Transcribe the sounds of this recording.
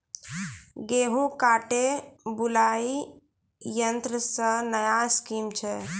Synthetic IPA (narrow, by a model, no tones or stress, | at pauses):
ɡeːɦũkaːʈebulai | jənt̪ɾəsə̃nəjaskiːmt͡ʃʰɛ